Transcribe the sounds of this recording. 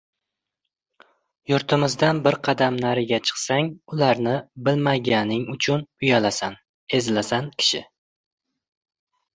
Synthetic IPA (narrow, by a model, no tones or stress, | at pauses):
jʊɾt̪ʰɪmɪzd̪anbɪɾqʰɑd̪amnaɾɪɡʲat͡ʃʰɨ̥qsaŋʊlaɾnɪbɪlmaɡʲanɪŋʊt͡ʃʰʊnʊjalasan | e̞zlasankʲʰɪ̥ʃɪ̰